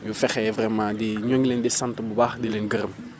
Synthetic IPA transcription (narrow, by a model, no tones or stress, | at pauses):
jufɛxɛvrɛmãːdiɲoŋlendɛsãntbubaːxdilenɡəɾɐm